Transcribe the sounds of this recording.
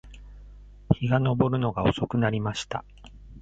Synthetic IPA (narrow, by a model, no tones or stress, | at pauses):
çiɡano̞bo̞ɾɯ̟no̞ɡao̞so̞kɯ̟naɾʲimaɕi̥t̪a̰